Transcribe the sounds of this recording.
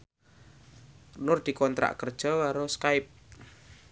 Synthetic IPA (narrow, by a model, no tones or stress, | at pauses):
nʊrd̪̥i̤kɔnt̪ɾa̰ʔkərd̥ʒ̥ɔ̤kaɾoskaɪp̚